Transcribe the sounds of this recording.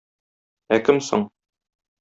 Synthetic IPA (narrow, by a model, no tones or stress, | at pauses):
ækɘmso̰ɴ